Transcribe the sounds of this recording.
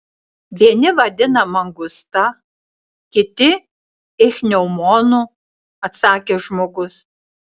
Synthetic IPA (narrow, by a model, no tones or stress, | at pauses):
ʋʲiɛnʲɪʋɐd̪ʲɪnɐmɐŋɡʊst̪ɐ | kʲɪt̪ʲɪ | ɪxʲnʲɛʊmoːnu | ɐt̪sɑːkʲeːʒmoːɡʊs